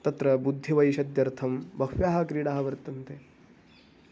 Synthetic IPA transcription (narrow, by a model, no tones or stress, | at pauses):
t̪ɐt̪ɾɐbud̪ʱːiʋɐjʃɐd̪jɐɾt̪ʰɐmbʱɐkʋjaːɦɐkɾiːɽaːɦɐʋɐɾt̪ɐnt̪e